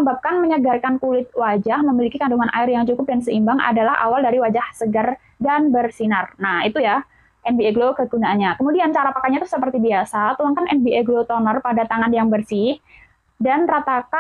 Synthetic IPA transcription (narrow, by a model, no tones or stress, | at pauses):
mbap̚kanməɲəɡarkankulɪt̪̚wad͡ʒahməmilikikanduŋanʔa̰ɪrjaŋt͡ʃukʊp̚dansəimbaŋa̰dalaha̰waldaɾiwad͡ʒahsəɡər | danbərsinərnahit̪uja | ʔɛnbieɡlokəɡunaːnɲakəmudiant͡ʃaɾapakaɲat̪ʊhsəpərt̪ibiasat̪ulaŋkanɛnbiʔeɡlot̪ɔnərpadat̪aŋanjaŋbərsih | danrat̪aka